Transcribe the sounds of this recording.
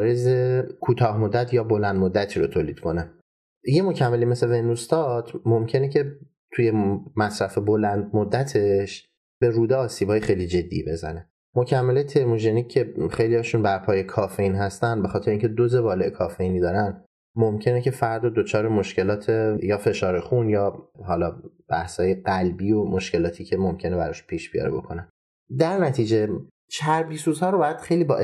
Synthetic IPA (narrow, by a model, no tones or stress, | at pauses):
ɾezekʰuːt̪ʰɒːhmo̞d̪ːæt̪ʰjɒːbo̞lænd̪mod̪ːæt̪ʰiːɾot̪ʰoːliːd̪̥kʰo̞næ | jemo̞cʰæmːelime̞sevenːust̪ɒt̪ʰmomcʰe̞necʰe̞ | t̪ʰuje̞mæsɾæfebo̞lænd̪̚mod̪ːæt̪ʰe̞ʃ | b̥e̞ɾuːd̪eɒːsiːbɒːjexejlid͡ʒe̞d̪ːḭbe̞zæ̰ne | mocʰæmːelet̪ʰe̞ɾmoʒeniːe̞xejlijɒːʃunbæɾpʰɒːjekʰɒːfeiːnɦæst̪ænd̪be̞xɒːt̪ʰeɾeiŋcʰed̪oze̞bɒːleʔekʰɒːfe̞iːnid̪ɒːɾæn | momcʰe̞necʰe̞fæɾd̪ɒd̪ot͡ʃʰɒːɾemo̞ʃce̞lɒːt̪ʰejɒːfe̞ʃɒːɾexunjɒːɦɒːlɒːb̥æhshɒːje̞ɢælbiːomo̞ʃkce̞lɒːt̪ʰiːcʰe̞momcʰe̞nebæɾɒʃupʰiːʃb̥ijɒ̰ːɾebo̞̰kʰo̞næn | d̪æɾnæt̪ʰiːd͡ʒe | t͡ʃʰæɾbiːsuːzhɒːɾobɒːjæd̪̥xejliːbɒ̰ːʔ